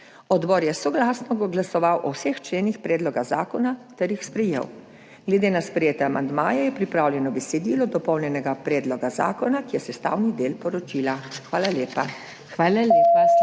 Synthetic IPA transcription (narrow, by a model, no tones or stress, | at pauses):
ɔd̪bɔːɾjɛsɔɡlaːsnɔɡɡlasɔʋawʔɔwsext͡ʃleːnixpɾɛːd̪lɔɡaza̰ːkɔnat̪ɛɾjixspɾɛjḛw | ɡ̥lɛd̪eːnaspɾɛjeːt̪ɛamand̪maːjɛjɛpɾipɾaːwljɛnɔbɛsɛd̪iːlɔd̪ɔpɔwnʲjɛnɛɡapɾɛːd̪lɔɡaza̰ːkɔnakijɛsɛst̪a̰ːwnid̪eːlpɔɾɔt͡ʃiːlaxʋaːlaleːpa | xʋaːlalepa